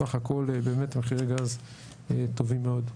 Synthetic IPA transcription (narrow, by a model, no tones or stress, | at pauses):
aχhako̞lbeːmetmeχiʁeɡaz | et̪o̞vimːeo̞d̪